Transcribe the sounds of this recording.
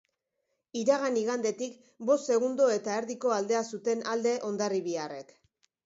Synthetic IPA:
iɾaɣ̞aniɣand̪e̞t̪ik | bo̞st̪se̞ɣ̞und̪o̞e̞t̪aeɾðiko̞ald̪e̞asut̪e̞nald̪e̞ʔo̞nd̪ariβiare̞k

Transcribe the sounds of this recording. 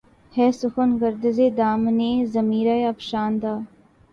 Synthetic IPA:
hɛːsʊxənɡəɾd̪əzeːd̪aːmneːzɐmiːɾaːjɐpʃaːnd̪aː

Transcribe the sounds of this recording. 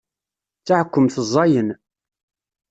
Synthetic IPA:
t͡sːaʕkʷːəmθəzˤːɑjən

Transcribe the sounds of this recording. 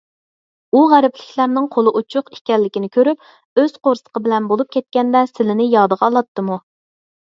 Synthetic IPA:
uʁæɾɪplɪkʲlæɾnɪŋqʰolˠɨʔut͡ʃʰʊqi̥kʲɛlːɪkʲinɪkʲʰøɾyp | øz̥qʰoɾsə̥qʰəbɪlɛnbolˠup̚kʲʰɛt̪̚kʲɛnd̪ɛsɪlɪnɪjɑːd̪əʁɑːlˠɑt̪ʰːɨmu

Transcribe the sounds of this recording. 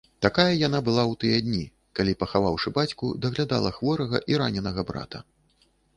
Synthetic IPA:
t̪akajɐjan̪abɨlˠawt̪ɨjɐd̪ʲnʲi | kalʲipɐxavawʂɨbat͡sʲkṵd̪ɐɣlʲad̪a̰lˠɐxvɔɾɐɣɐ̰ʔiɾanʲɛnɐɣɐbɾa̰t̪ɐ̰

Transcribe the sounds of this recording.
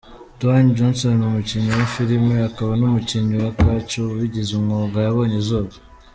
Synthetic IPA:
toand͡ʒonsonumuciɲowifiɾimeakaβanumuciɲowakat͡ʃoβiɟezumŋoɡajaβo̞ːɲezoːβa

